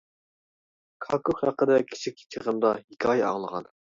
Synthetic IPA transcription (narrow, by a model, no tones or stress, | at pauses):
kʰɑkʰoχhɑqːəd̪ɛkʲʰi̥t͡ʃʰikʲi̥t͡ʃʰəʁəmd̪ɑɦikʰʲɑːjɛɑ̰ŋlˠəʁɑ̰n